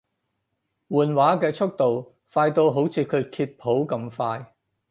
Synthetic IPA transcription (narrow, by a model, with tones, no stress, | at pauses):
wuː˨˩nwaː˨˥kɛː˧t͡sʰʊ˥k̚t̪o˨w | faː˧jt̪o˧wɦo˨˥wt͡sʰiː˨˥kʰɵ˨˧ɥkʰiː˧t̚pʰo˨˥wkɐ˧mfaː˧j